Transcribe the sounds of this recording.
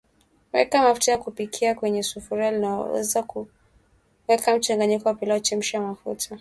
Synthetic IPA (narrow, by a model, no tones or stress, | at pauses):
wɛ̰kamafutajakupikʰiakwɛɲɛsufuɾialina̰wɛ̰zaku | wɛkam̩t͡ʃaŋɡaɲikɔwapilɔt͡ʃɛm̩ʃiamafṵtʰa